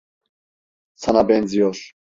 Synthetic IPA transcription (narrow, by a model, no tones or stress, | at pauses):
sanabɛnzijɔɾ